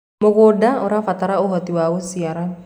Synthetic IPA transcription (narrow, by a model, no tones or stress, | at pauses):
mɔɡodaɔɾafat̪aɾauɦɔt̪iwausiaɾa